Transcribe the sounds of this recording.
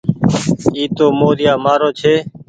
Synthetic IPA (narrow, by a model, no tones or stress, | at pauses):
iːt̪oːmoːɾɪjaːmaːɾoːt͡ʃʰeː